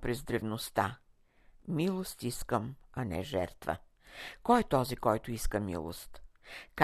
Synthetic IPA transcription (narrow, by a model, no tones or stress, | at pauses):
pɾɛzd̪ɾɛvnost̪a | milˠost̪iskəmɐnɛ̰ʒɛ̰ɾt̪və̰ | kɔjɛt̪ɔzikɔjt̪ʊiskəmḭlˠo̰st̪k